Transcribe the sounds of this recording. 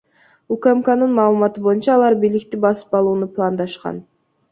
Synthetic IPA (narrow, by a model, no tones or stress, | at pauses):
ukamkanɯnmɑːlˠɯmɑt̪ɯbo̞junt͡ʃɑːlˠɑɾbiːlikt̪ibɑsɯ̥pɑlˠuːnuplˠɑnd̪ɑʃqɑ̰n